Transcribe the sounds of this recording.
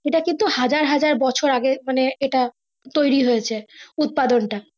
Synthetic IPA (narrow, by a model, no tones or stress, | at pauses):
eʈakint̪uhad͡ʑaɾɦad͡ʑaɾbɔt͡ɕʰoɾaɡemaneeʈa | t̪ojɾiɦojet͡ɕʰeut̪̚pad̪onʈa